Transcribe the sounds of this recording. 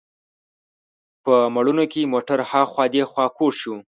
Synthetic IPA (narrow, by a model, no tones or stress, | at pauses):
pəmaɽunokemoʈaɾhɑxwɑd̪exwɑkoɾʃu